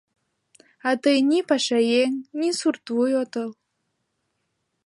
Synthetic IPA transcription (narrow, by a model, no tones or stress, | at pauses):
at̪ɤjnʲipaʃajeŋnʲisurt̪vujot̪ɤlˠ